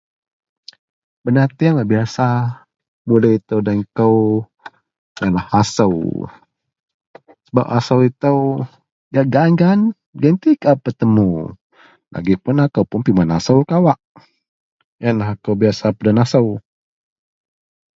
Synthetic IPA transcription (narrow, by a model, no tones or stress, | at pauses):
bənat̪iaŋlabiasa | muləit̪əwdaŋkəw | janlahasəw | səba̰pasəwit̪əw | jaʔɡaŋɡan | ɡənt̪ikapət̪əmu | la̰ɡipʊnakəwpʊnpimanasəwkawaʔ | janlaɦakəwbiasapadanasəw